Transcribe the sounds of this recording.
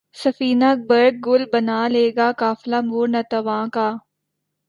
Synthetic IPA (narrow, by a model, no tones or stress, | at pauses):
sɐfiːnak̚bəɾɡ̚ɡʊlbɐnaːleːɡaːkaːflamuːɾnɐt̪ɐʋãːkaː